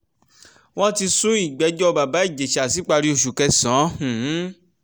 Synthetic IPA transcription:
w̃ɔ̃˦ti˧sũ˦i˦˨ɡ͡bɛ˨˦d͡ʒɔ˦˧ba˨ba˨˦i˦˨d͡ʒe˨ʃa˨si˨˦k͡pa˧ɾi˦o˦˨ʃu˨kɛ˧sã˨˦hũ˨˦

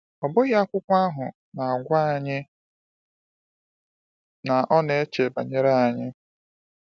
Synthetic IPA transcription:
ɔ˨bʊ˦ɣa˦kʷʊ˦kʷa˦ɦʊ˨ | na˨a˨ɡʷa˦˨ɲɪ˦ | na˨ʔɔ˦ne˨˦t͡ʃe˨ba˨ɲe˦ɾa˦a˨ɲɪ˦

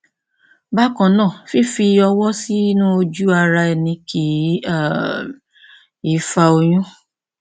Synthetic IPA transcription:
ba˦kɔ̃˨nãː˦˨fi˦˨fi˧ɔ˧wɔ˦si˦nũ˦˧d͡ʒu˦a˧ɾa˧ɛ˧˨nĩ˧kʰi˨˦˨ | i˦fa˧o˧j̃ũ˦

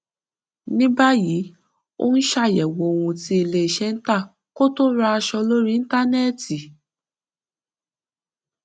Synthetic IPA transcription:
nĩ˦ba˦ji˨˦ | o̰˦n̩˦ʃa˦˨jɛ˨wo˨o˧wũ˧ti˧˦i˨le˧˨ʃɛ˦n̩˦ta˦˨ | ko˦to˦ɾa˧a˧ʃɔ˧lo˦ɾĩ˦n̩˦ta˦nɛ˦˨ti˨

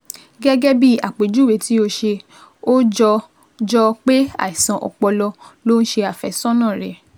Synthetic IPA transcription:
ɡɛ˦ɡɛ˦bi˦a̰˨k͡pe˨d͡ʒu˦˨we˨ti˨˦o˧ʃe˧ | o˦d͡ʒɔ˧ | d͡ʒɔ˧k͡pe˦a̰˦˨i˨sã˨ʔɔ̰˨k͡pɔ˧lɔ˧lo˦n̩˦ʃe˧a˨fɛ˨˦sɔ̃˦nã˦˨ɾɛ˨

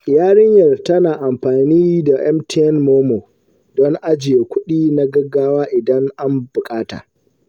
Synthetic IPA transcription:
jaː˦ɽɪ˦ɲjɐ˨rtɐ˦naː˨ʔa˨mɸaː˨niː˦da˨ʔɛ̰˦mtʰi˦ɛ˦nmoː˦moː˨ | dɔ˦ŋʔa˦d͡ʒɪ˨je˨kʷʊ˦ɗiː˦na˦ɡɐ˦ɡːaː˦waː˦ʔɪ˨dɐ˦ŋʔa˦mbʊ˨kʼaː˦ta̰ː˨

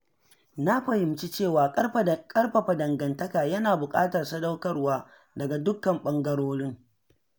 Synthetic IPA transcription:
na˦ɸɐ˨hɪ˨mt͡ʃi˦t͡ʃeː˦˨waː˨kʼɐ˦rɸkʼɐ˦rɸɐ˨ɸɐ˨dɐ˨ŋɡɐ˨ntɐ˦kaː˨jɐ˦naː˨bʊ˨kʼa̰ː˦tɐ˨rsɐ˦dɐ˦wkɐ˦rwaː˦ | dɐ˨ɡa˨dʊ˦kːɐ˨mɓɐ˦ŋɡɐ˦ɽoː˦ɽɪ˦ŋ

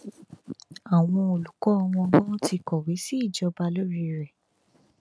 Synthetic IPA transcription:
a˨w̃ɔ̃˧o˨lu˨kɔ˨˦ɔ˧w̃ɔ̃˧˦ɡ͡bɔ̃˦ti˧kɔ˨wi˨˦si˦˨d͡ʒɔ˧˦ba˧lo˦ɾi˧ɾɛ˨

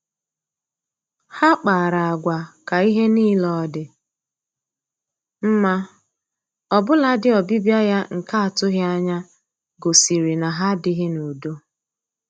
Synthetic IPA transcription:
ha˦k͡pa˨ɾa˨a˨ɡʷa˨ka˨i˦ɦe˦niː˦lɔ˦dɪ˨ | m̩˦ma˦ | ɔ˨bʊ˦la˦dɪ˦ɔ˨bi˦bja˦ja˦ŋ̩˨ka˦a˨tʊ˦ɣɪ˦a˦ɲa˦ | ɡo˨si˨ɾi˨na˨ɦa˦dɪ˦ɦɪ˦nu˨do˦

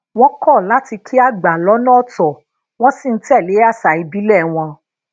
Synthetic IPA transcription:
w̃ɔ̃˦kɔ˦˨la˨˦ti˧kʰi˦a˦ɡ͡ba˨lɔ˨˦nã˦˨tɔ˨ | w̃ɔ̃˦si˦˨n̩˦tɛ˦˨le˨˦a˦˨sa˨i˧bi˨˦lɛ˦˨w̃ɔ̃˧

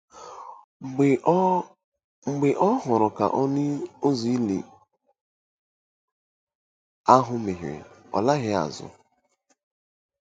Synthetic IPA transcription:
ŋ͡m̩˨ɡ͡bɪ˨ʔɔ˦ɦʊ˨ɾʊ˨ka̰˨ʔɔ˦nɪ˦o˦zi˨i˦lḭ˨ | a˦ɦʊ˦mɪ˨ɦɾ̰ɔ̰˨la˦ɣɪ˦a̰˨zʊ̰˨

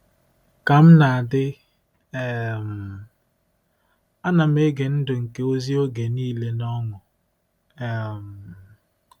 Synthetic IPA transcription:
ka˨m̩˦na˨a˨dɪ˦ | e˦˨m̩˨ | a˦na˨m̩˦e˦ɡe˨n̩˦dʊ˨ŋ̩˨ke˦o˦zi˦o˦ɡe˨niː˦le˦nɔ˦ŋʊ˨ | e˨m̩˨

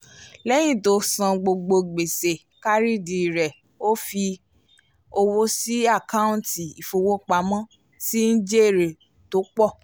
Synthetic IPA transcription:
lɛ˦j̃ĩ˦˨to˧˦sã˧ɡ͡bo˧ɡ͡bo˧ɡ͡be˨se˨ | ka˦ɾi˦di˨ɾɛ˨ | o˦fi˧ | o˧wo˦si˦a˦˨ka˦ũ˦ti˨i˨fo˧wo˦k͡pa˧˦mã˦ | si˦n̩˦d͡ʒe˦e˨ɾe˨ | to˨˦k͡pɔ˦˨

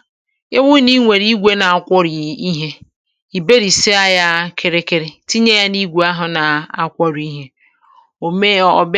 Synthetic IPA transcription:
e˦ŋʷu˦ni˦ŋʷe˨ɾi˦ɡʷe˦na˨a˨kʷɔ˦ɾi˨i˦ɦe˦ | i˨be˦ɾi˨se˦a˦ja˦kʰe˨ɾe˨ke˨ɾe˨ti˦ɲe˦ja˦ni˦ɡʷu˨˦a˦ɦʊ˨na˨a̰˦kʷɔ˦ɾi˦ɦe˦ | o˨me˦˨ɔ̰˨b

